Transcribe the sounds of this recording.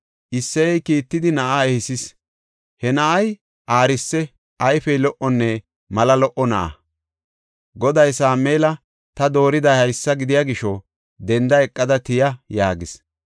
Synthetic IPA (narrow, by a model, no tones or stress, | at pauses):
ʔɪsːɛɛjkiːt̪ːɪd̪ɪnɐʔaɛhɪsɪs | hɛnɐʔɐj | ʔaːɾɪsːɛ | ʔɐjfɛjlɔʔɔnːɛ | mɐlɐlɔʔɔnɐʔɐ̰ | ɡɔd̪ɐjsaːmeːlɐ | t̪ɐd̪o̞ːɾɪd̪ɐjhɐjsːɐɡɪd̪ɪjaːɡɪʃɔ | d̪ɛnd̪ɐɛkʼːɐd̪ɐt̪ɪjɐjaːɡɪs